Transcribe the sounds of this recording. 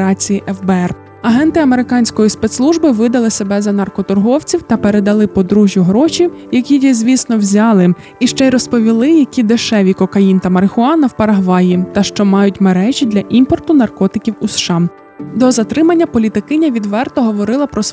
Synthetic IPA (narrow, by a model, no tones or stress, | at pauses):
ɾɑt͡sʲijiʔɛfbɛɛr | ɐɦɛnt̪ɪɐmeɾɪkɑnʲsʲkɔjispɛt̪slˠuʒbɪʋɪd̪ɐlˠɪsebɛzɐnɐrkɔt̪ʊrɦɔwt͡sʲiwt̪ɐpe̞ɾe̞d̪ɐlˠɪpɔd̪ɾuʒʲjʊɦɾɔʃijɐkʲijizʲʋʲisnɔwzʲɑlˠɪ | iʃt͡ʃɛjɾɔspɔʋʲilˠɪjɐkʲid̪eʃɛʋʲikɔkɐjint̪ɐmɐɾɪxʊɑnɐwpɐɾɐɦʋɑjit̪ɐʃt͡ʃɔmɑjʊtʲmeɾɛʒʲid̪lʲɐʔimpɔrt̪ʊnɐrkɔt̪ɪkʲiwusʃɑm | d̪ɔzɐt̪ɾɪmɐnʲːɐpɔlʲit̪ɪkɪnʲɐʋʲid̪ʋɛrt̪ɔɦɔʋɔɾɪlˠɐpɾɔs